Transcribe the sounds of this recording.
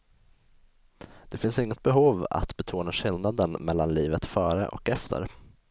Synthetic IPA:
d̪̥ɛfɪnsɪŋːət̪̚bɛɦuːva̰t̪bɛt̪ʰuːnaɧɪlnad̪ənmɛlːanliːvət̪fœːɾə̰ʔɔ̰kɛft̪ʰə̰ɾ

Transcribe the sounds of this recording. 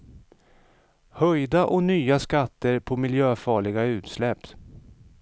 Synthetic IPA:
hœjd̪aʔɔnyːaskat̪ːəɾpʰɔmɪljøːfɑːɭɪɡaʉ̟ːt̪slɛpː

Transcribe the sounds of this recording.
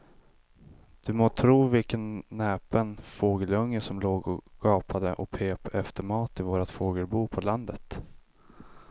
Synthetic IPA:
d̪̥ɵmoːt̪ʰɾuːvɪlkənːɛːpənfoːɡəlɵŋːəsɔmloːɡɔɡ̥ɑːpʰad̪əʔɔpʰeːpɛft̪əɾmɑːt̪ɪvoːɾat̪foːɡəlbuːpʰɔland̪ət̪

